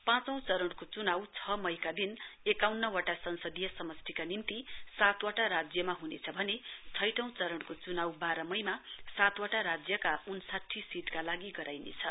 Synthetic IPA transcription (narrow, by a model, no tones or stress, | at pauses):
pãt͡sʌ̃w̃t͡sʌɾʌɽ̃kot͡sunawt͡sʰʌmʌjkad̪inekawnːʌwaʈasʌnsʌd̪ijʌsʌmʌst̪ʰikanimt̪isat̪waʈaɾad͡zjʌmaɦunḛt͡sʰʌbʱʌnet͡sʰʌjʈʌ̃w̃t͡sʌɾʌɽ̃kot͡sunawbaɾʌmʌjmasat̪waʈaɾad͡zjʌkaunsaʈʰːisiʈkalaɡiɡʌɾajnḛt͡sʰʌ